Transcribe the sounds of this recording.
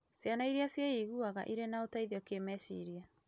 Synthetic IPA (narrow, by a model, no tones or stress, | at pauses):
sjanaiɾasjaiɣuaɣa̰ʔiɾenaotaiðjɔkemɛsḭɾia